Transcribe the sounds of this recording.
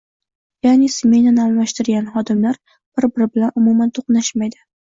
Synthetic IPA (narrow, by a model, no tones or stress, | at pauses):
janɪsme̞nanalmaʃt̪ɪɾɡʲanχɒd̪ɪmlaɾ | b̥ɪɾbɪɾɪbɪlanʊmumant̪ʰoqnaʃmajd̪ɪ